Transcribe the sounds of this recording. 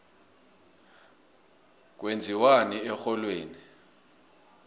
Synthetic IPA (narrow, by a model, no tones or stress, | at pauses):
k̬wend͡zʱiwaniɛxɔlweːni